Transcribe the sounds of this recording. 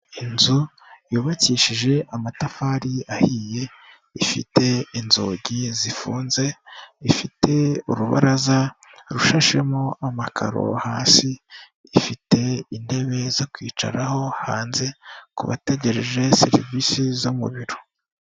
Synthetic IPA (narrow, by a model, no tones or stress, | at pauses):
inzu | juːβaciːʃiʒe̞ʔamatafaɾiahiːje̞ | ifḭte̞inzoːɟizifuːnze̞ifitʰe̞uɾuβa̰ɾaza | ɾuʃaʃe̞moʔamakʰa̰ɾo̞̰haːsiː | fite̞inde̞βe̞zokwiːt͡ʃa̰ɾaho̞ha̰ːnze̞kṵβa̰te̞ɟe̞ɾe̞ʒe̞se̞̰ɾḭvisizomṵβiɾo̥